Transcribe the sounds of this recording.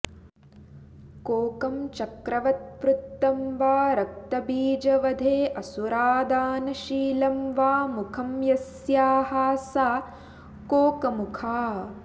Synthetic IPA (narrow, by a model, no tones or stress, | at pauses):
koːkɐmt͡ʃɐkɾɐʋɐt̪̚pɾut̪ːɐmʋaːɾɐk̚t̪ɐbiːd͡ʒɐʋɐd̪ʱeːʔɐsuɾaːd̪aːnɐʃiːlɐmʋaːmukʰɐmjɐs | jaːɦaːsaː | koːkɐmukʰaː